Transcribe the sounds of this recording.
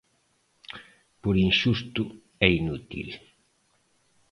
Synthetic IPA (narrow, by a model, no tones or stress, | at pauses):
poɾinʃust̪ʊ | ɛinut̪ḭl